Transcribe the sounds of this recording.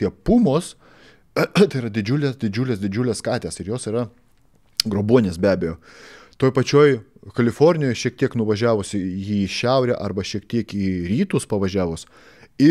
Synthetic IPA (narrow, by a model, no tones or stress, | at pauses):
t̪ʲiɛpumoːs | t̪ɐɪɾɐd̪ʲɪd͡ʒʲʊlʲesd̪ʲɪd͡ʒʲʊlʲeːsd̪ʲɪd͡ʒʲʊlʲeskɑːt̪ʲeːsɪɾjoːsiːɾɐ | ɡɾoːbuɔnʲeːsbʲæːbʲejoː | t̪oːjpɐt͡ʃʲoːjkɐlʲɪfoːɾʲnʲɪjoːjʃʲiɛk̚t̪ʲiɛknʊʋɐʒʲæːʋʊsɪiːʃʲɛʊɾʲæʔɐɾbɐʃʲiɛkt̪ʲiɛkiːɾʲiːt̪uːspɐʋɐʒʲæːʋʊs | ɪ